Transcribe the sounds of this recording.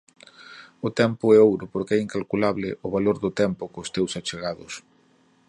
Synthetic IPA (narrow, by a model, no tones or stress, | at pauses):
ʊt̪ɛmpʊɛowɾʊpoɾkɛiŋkalkulaβlɪ̰ʔʊβaloɾðʊt̪ɛmpʊkʊst̪ewsat͡ʃeɣaðʊs